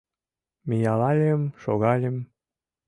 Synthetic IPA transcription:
mejɑlɑlʲemʃoɣɑlʲem

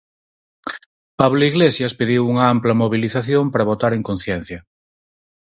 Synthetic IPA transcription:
paβloiɣlesjaspeðiwuŋɐamplɐmoβiliθaθjompaɾaβ̞ot̪aɾeŋkon̟θjen̟θjɐ

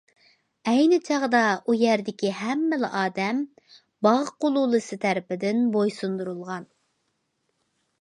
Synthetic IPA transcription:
ɛjnɪt͡ʃʰɑʁd̪ɑʔujæɾd̪ɪkʲihɛmːɪlɪ̰ʔɑːd̪ɛm | bɑʁqolˠulˠɨsɨt̪ʰæɾɪpɪd̪ɪnbojsund̪uɾulˠʁɑn

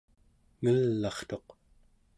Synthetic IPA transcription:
ŋəlːɑχt̪o̞q

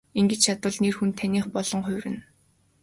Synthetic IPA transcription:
iŋɡɘ̆t͡ɕt͡ɕʰat̪ə̆ɮnerxunt̪ʰːænʲiːχpɔɮ̥ɞ̆ŋχʊ̟wɾɘ̆n

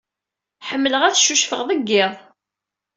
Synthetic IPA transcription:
ħəmːələʁæθʃuʃfəʁðˤəɡːɪðˤ

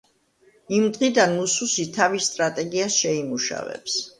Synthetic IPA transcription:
imd̪ʁid̪anmususit̪ʰavist̪ʼɾat̪ʼɛɡiasʃɛimuʃa̰vɛ̰ps

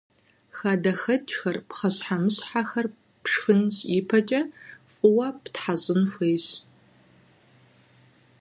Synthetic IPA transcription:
xaːdɐxɐt͡ʃʼxɐrpχɐɕħamɨɕħaxɐr | pʂxɨnɕʼiːpʰɐt͡ʃʼɐfʼʊwɐptħaɕʼɪnfʷeːɕ

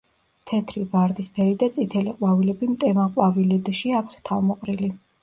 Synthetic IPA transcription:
t̪ʰɛt̪ʰɾibaɾd̪ispʰɛɾid̪at̪sʼit̪ʰɛliqʼwavilɛbimt̪ʼɛmaqʼwavilɛd̪ʃiapʰt̪ʰt̪ʰalmɔqʼɾili

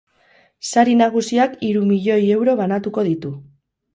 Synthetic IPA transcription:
saɾinaɣ̞usiakiɾumiʎo̞je̞wɾo̞βanat̪uko̞ð̞it̪u

